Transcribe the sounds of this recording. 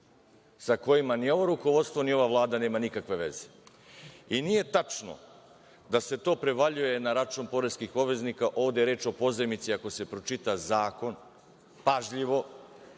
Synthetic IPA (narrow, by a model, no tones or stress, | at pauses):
sako̞jimanio̞ʋo̞ɾuko̞ʋo̞t̪st̪ʋo̞nio̞ʋaʋlˠaːd̪ane̞ːmanikakʋe̞ʋe̞ze̥ | inije̞t̪at͡ʃno̰ | d̪ase̞t̪o̞ːpɾe̞ʋaʎuje̞naɾat͡ʃunpo̞ɾeskixo̞ʋe̞znikaʔo̞ːʋd̪eɾe̞ːt͡ʃo̞po̞zemit̪siako̞se̞pɾo̞t͡ʃit̪azaːko̞n | paʒʎiʋo̞